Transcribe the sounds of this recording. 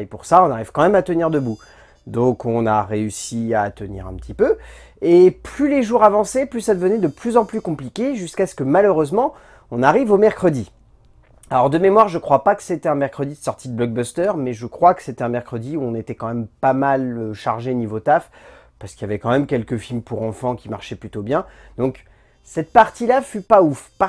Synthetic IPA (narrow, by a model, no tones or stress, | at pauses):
epuʁsaɔ̃naʁiv̥kɑ̃mɛmat̪əniʁd̪əbu | d̪ɔ̃kʰɔ̃naʁeysiat̪ənḭʁɛ̃pət̪ipø | eplyleʒuʁavɑ̃sɛplysad̪əvənɛd̪əplyzɑ̃plykɔ̃plikʲeʒyskasə̥kəmaløʁøzmɑ̃ | ɔ̃naʁivomɛʁkχəd̪i | alɔʁd̪əmemwaʁʒəkχwapakə̥set̪ɛɛ̃mɛʁkχəd̪isɔʁt̪id̪əblɔɡ̚bast̪œʁmɛʒəkχwakə̥set̪ɛɛ̃mɛʁkχəd̪iuɔ̃net̪ɛkɑ̃mɛmpamaløʃaʁʒenivot̪af | paʁsə̥kiljavɛkɑ̃mɛmkʲɛlkəfilmpuʁɑ̃fɑ̃kʲima̰ʁʃɛplyt̪objɛ̃d̪ɔ̃k | sɛt̪̚paʁt̪ilafypaufpa